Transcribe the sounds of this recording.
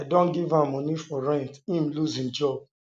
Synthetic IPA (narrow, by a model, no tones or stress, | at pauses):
adõnɡivãmːɔ̃nifɔɹɛ̃ntĩmluzĩnd͡ʒɔb̚